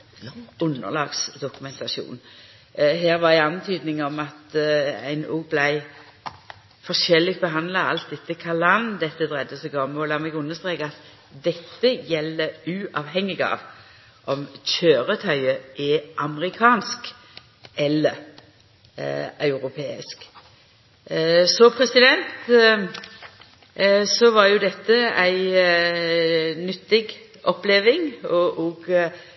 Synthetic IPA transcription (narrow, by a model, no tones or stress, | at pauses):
ʉnːə̰ʁlɑːɡsd̪ʊkʉmɛnt̪ʰɑʃṵːn | ɦeːʁʋɑʁæɪɑnt̪ʰyːd̪nɪŋɔmɑt̪æ̰ɪnṵːɡblæɪ | fɔʂɛlɪk̚t̪bəɦɑnd̪lɑɑlt̪̚d̪ɛt̪ːəkʰɑlɑnd̪ɛt̪ːəd̪ʁɛd̪əsɔɡɔmɔlɑːmɛɡʉnːəst̪ʁeːkɑt̪ | d̪ɛt̪ːəjɛlːəʉːʔɑːʋɦɛŋːɪɡɑ̰ːʋ | ʔɔmçøːɾət̪ʰœʏəʔɛʔɑməʁɪkʰɑːnsk | ʔɛlːəɾ | œʉɾʊpʰeːɪ̰sk | sɔpʰʁɛsɪd̪ɛnt̪ | sɔʋɑɾjʊd̪ɛt̪ːəæɪ | nʏt̪ːɪɡ | ɔpːleːʋɪŋɔʔɔɡ